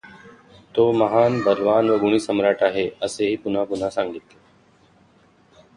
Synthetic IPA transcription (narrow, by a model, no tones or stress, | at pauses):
t̪oːməɦaːnbʱəɾʋaːnʋəɡʊɳ̃iːsəmɾaːʈaːɦeːəseːɦiːpʊn̤ãːkʊn̤aːsãːŋɡit̪eː